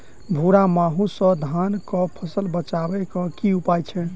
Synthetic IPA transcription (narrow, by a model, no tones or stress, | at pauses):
bʱuɾamaɦũsɔ̃d̪ʱankɔpʰəsəlbət͡ʃabɛkɔkiupajt͡ʃʰɛ